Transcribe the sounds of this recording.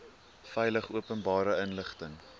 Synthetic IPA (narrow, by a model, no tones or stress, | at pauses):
fɛjləχuəpənbɑːɾəənləχtəŋ